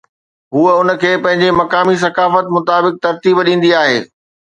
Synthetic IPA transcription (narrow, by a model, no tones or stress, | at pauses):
ɦuːəʊnə̆kʰeːpɐ̃ɦɪ̃ɲd͡ʑemɐkaːmis̬ɐkaːfət̪mʊt̪aːbɪk̚t̪ɐɾt̪iːbɗĩːn̆d̪iaːɦeː